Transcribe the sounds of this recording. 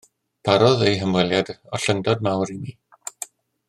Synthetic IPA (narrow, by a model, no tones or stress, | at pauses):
b̥ʰaɾɔðejɦəmwɛlˠjadɔɬəŋdɔd̚mawɾimi